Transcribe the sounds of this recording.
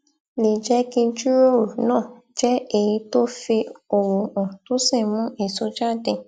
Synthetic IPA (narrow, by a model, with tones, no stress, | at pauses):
li˨d͡ʒɛ˦kĩ˧d͡ʒu˦ɾo˦˨nãː˦˨ | d͡ʒɛ˦e˦˨ji˧˦to˦fi˧o˨wo˨ɔ̃˨to˦sĩ˦˨mũ˦ʔe˦˨so˧d͡ʒa˦˨dɛ̃˧